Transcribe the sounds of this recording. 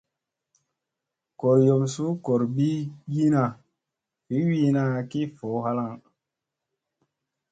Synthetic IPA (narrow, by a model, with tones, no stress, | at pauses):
ko˨ɾjo˨msu˦ko˨ɾbi˦ji˦na˦˨ | fi˨˦wi˦na˦˨ki˦fo˨˦ha˦la˦ŋ